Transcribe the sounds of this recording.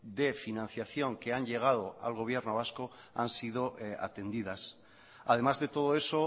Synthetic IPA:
d̪e̞finãn̟θjaθjo̞ŋke̞anʎe̞ɣ̞að̞o̞a̰lɣo̞βje̞ɾnoβasko | ansið̞o̞a̰t̪e̞nd̪ið̞as | a̰ð̞e̞mazðe̞t̪o̞ð̞o̞e̞so̞

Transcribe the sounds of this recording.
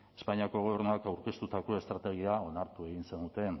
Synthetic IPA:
e̞̥spaɲiako̞ɣ̞o̞βe̞ɾnuakawɾke̞st̪ut̪ako̞e̞st̪ɾat̪e̞ɣ̞iao̞naɾt̪ue̞ɣinse̞nd̪ut̪e̞n

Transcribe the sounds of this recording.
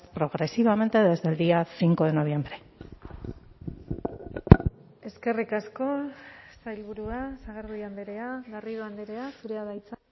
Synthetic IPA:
pɾo̞ɣ̞ɾe̞siβ̞ame̞nt̪eðezd̪eld̪iasiŋko̞eno̞β̞je̞mbɾe̞ | e̞ske̞rikasko̞sajlβuɾuasaɣeɾðujand̪eɾeaɣariðoand̪eɾeasuɾeaðajt͡sa

